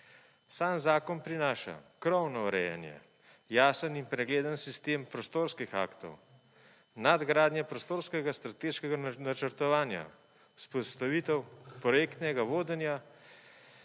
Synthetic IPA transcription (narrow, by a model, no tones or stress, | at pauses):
saːnzaːkɔnpɾinaːʃa̰kɾɔwnɔɾɛ̰jɛ̰njɛ̰ | jaːsəninpɾɛɡleːd̪ənsist̪eːmpɾɔst̪oːɾskixa̰ːkt̪ɔ̰w | nad̪ɡɾaːd̪njɛpɾɔst̪oːɾskɛɡast̪ɾat̪eːʃkɛɡanat͡ʃəɾt̪ɔʋaːnja̰ | uspɔst̪aʋiːt̪ɛwpɾɔjeːkt̪nɛɡaʋoːd̪ɛnja